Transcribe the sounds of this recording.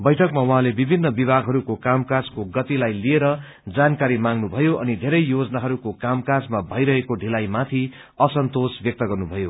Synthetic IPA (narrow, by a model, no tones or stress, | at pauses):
bʌjʈʰʌkmawʌɦãlebibʱinːʌbibʱaɡʱɦʌɾukokamkad͡zkoɡʌt̪ilajlieɾʌ | d͡zankaɾimaŋnubʱʌjoʔʌ̰nid̪ʱeɾʌjjod͡zʌnaɦʌɾukokamkad͡zmabʱʌjɾʌɦekoɖʱilajmat̪ʰi | ʌsʌnt̪osbjʌk̚t̪ʌɡʌrnubʱʌjo